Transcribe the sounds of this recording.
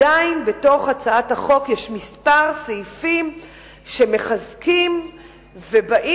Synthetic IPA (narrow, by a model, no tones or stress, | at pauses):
ainbeto̞χat͡saathaχo̞kjeʃmispaʁseifim | ʃe̞me̞χazkim | vebaʔi